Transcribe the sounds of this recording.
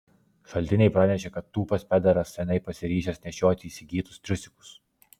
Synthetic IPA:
ʃɐlʲt̪ʲɪnʲɛɪpɾɑːnʲɛʃʲeːkɐt̪ːuːpɐspʲɛd̪ʲɛɾɐsːʲɛnʲɛɪpɐsʲɪɾʲiːʃʲɛsʲnʲɛʃʲoːt̪ʲɪiːsʲɪɡʲiːt̪ʊ̥st̪ʲɾʲʊsʲɪkʊ̥s

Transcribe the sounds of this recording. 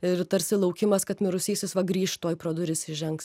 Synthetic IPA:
ɪɾt̪ɐɾʲsʲɪlˠɐʊkʲɪmɐskɐt̪mʲɪɾʊsʲiːsʲɪsʋɐɡɾʲiːʃt̪oːjpɾoːd̪ʊɾʲɪsʲɪʒʲɛŋks

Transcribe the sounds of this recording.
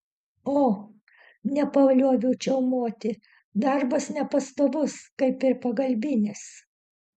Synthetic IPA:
oː | nʲɛpɐʋɐlʲuɔʋʲɛʊt͡ʃʲɛʊmuɔt̪ʲɪ | d̪ɐɾbɐsnʲɛpɐst̪oːʋʊskɐɪpɪɾpɐɡɐlʲbʲɪnʲɪs

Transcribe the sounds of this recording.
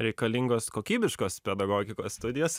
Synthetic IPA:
ɾʲɛɪkɐlʲɪŋɡoːskoːkʲiːbʲɪʃkoːspʲɛd̪ɐɡoːɡʲɪkoːsːt̪ʊd̪ʲɪjoːs

